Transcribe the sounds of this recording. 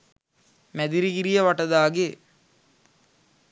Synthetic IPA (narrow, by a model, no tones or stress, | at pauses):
mæd̪iɾiɡiɾijəʋaʈəd̪aːɡe